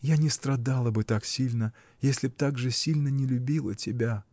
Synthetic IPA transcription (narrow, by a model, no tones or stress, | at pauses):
janʲɪst̪ɾɐd̪alˠəbɨt̪aksʲilʲnə | jesʲlʲɪp̚t̪aɡʐɨsʲilʲnənʲɪlʲʊbʲilˠə̰tʲɪbʲa